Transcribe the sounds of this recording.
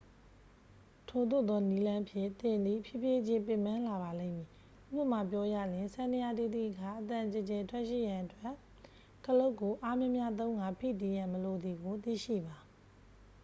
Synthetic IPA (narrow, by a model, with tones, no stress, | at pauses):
tʰo˨d̪o̰˦˨d̪ɔ˦ni˦lã˦ʔpʰjɪ̰̃˦˨t̪ɪ̃˨nd̪ḭ˦˨pʰjɪ˦˨pje˦d͡ʑɪ̃˦pɪ̃˨mã˦la˨ba˨lẽ˦˨mji˨ | ʔʔṵ˦˨bə˨ma˨pjɔ˦jä̰˦˨lɪ̃˨nsã˦˨ndə˨ja˦˨ti˦˨t̪ḭ˦˨ʔəkʰa˦˨ʔət̪ã˨t͡ɕə˨t͡ɕɛ˨tʰwɛ˦ʔʃḭ˦˨jã˨ʔətwɛ˦ʔ | kəlo˦ʊkːo˨ʔa˦mjɪ̃˦mja˦t̪̬õ˦ʊ̃ŋɡa˦˨pʰḭ˦˨tɪ̃˨jã˨məlo˨d̪ði˨ɡo˨t̪ḭ˦˨ʃḭ˦˨ba˨